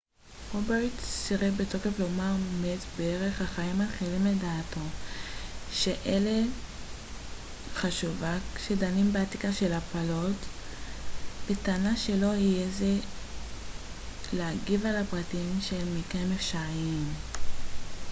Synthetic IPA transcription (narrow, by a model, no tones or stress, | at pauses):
ʁobeʁtsiʁebeto̞ke̞flo̞maʁmetbeeʁe̞χhaχaimatχilimledaːto̞ | ʃe̞ʔele | χaʃuvakʃe̞danimbeatikaʃe̞lapalo̞t | b̥etanaʃe̞lo̞hijeze | leaɡivalapʁatimʃemikemefʃaʁiim